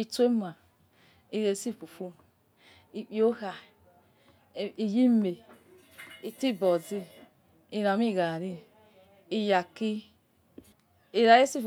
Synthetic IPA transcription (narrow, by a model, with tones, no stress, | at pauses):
i˨te˦ma˨ | i˨ɾe˨˦si˦˨fu˨fu˦˨ | i˨k͡pi˨o˦ha˨ | i˨ji˦me˨ | i˨ti˦˨bɔ˨zi˦ | i˧ɾa˨˦mi˦˨ɣa˨ɾi˦ | i˨ja˨ki˦ | i˨ɾa˨je˦si˦f